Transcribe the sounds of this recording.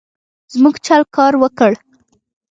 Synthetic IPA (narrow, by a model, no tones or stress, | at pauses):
zmuɡt͡ʃalkɑɾwəkəɽ